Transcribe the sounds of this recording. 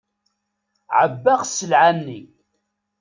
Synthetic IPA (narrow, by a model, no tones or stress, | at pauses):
ʕəbːaʁsəlʕanːi